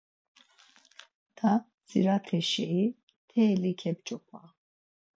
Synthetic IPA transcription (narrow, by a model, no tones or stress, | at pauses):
d̪̥ʰa | d͡zḭɾat̪ʰɛʃɛi | t̪ʰɛːlikʰɛb̚t͡ʃʼɔkʰa̰